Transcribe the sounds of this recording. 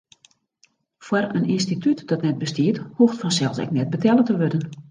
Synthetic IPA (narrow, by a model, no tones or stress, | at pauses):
fwarəninstitʰytd̥ɔtnɛt̚bəstiəthuxtfɔnsɛlˠsɛ̰k̚nɛt̚bətʰɛlˠətəʋødən